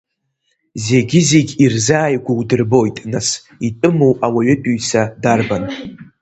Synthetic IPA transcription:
ze̞ɡʲɪzeɡʲirzaːjɡʷawdɨrbo̞jtʼnas | itʼɨmuwʔawaɥɪpʼyjsadarban

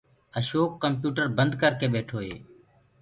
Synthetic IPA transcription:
əʃoːkːəmpjuːʈəɾbənd̪kəɾkeːɓeːʈʰoːɦḛː

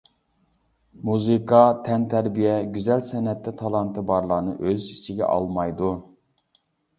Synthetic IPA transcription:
muzɨkʰɑt̪ʰɛnt̪ʰæɾbijɛɡʲyzɛlsɛnɛt̪ːɛt̪ʰɑlˠɑnt̪ʰɨbɑɾlˠɑnɨʔøzit͡ʃʰiɡʲɛ̰ʔɑ̰lˠmɑjd̪u

